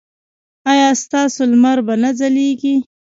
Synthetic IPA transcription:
ɑjɑːst̪ɑːsolmaɾbanad͡zaliɡi

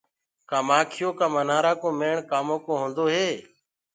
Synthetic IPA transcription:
kaːmaːkʰɪjoːkãːmənaːɾaːkõːmeːɳkaːmõːkõːɦõːnd̪oːɦeː

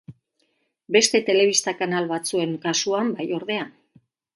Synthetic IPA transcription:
be̞st̪e̞t̪e̞le̞β̞ist̪akanalβat͡sue̞ŋkasuambajo̞ɾðe̞an

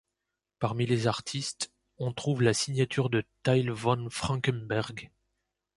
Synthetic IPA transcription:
paʁmilezaʁt̪ʰist̪ | ɔ̃t̪χuvlasiɲjat̪yʁd̪ət̪ajlvɔ̃nfχɑ̃kʲɛnbɛʁɡ

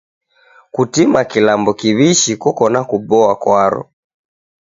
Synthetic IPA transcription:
kutimakilambɔkiβiʃikɔkɔnakubɔakwaɾɔ̰

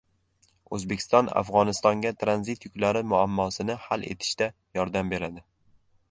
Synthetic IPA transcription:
ɵzbekʰʲɪ̥st̪ɒna̰fʁɒnɪst̪ɒŋɡʲat̪ʰɾanzit̪jʊkʲlaɾɪmʊamːɒsɪnɪhale̞̰t̪ʰɪ̥ʃt̪a | jɒɾd̪ambe̞ɾad̪ɪ

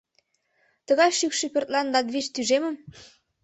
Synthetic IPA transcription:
t̪ɤ̆ɣɑjʃykʃipʲø̆rt̪̚lɑnlɑd̪βit͡ɕt̪yʒemə̆m

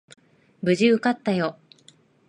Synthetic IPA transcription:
bɯ̟ʑiɯ̟kat̪ːajo

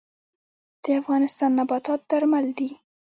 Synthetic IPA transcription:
d̪̥əafɣɑnɪst̪ɑnːabɑt̪ɑt̪̚d̪aɾmald̪i

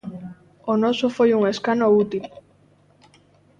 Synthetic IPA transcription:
onɔsofojuŋeskanout̪il

